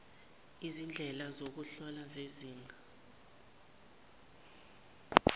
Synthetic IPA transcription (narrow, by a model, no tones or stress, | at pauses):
izind͡ɮʱɛlazok̬uɬɔlazeziːŋɡʱa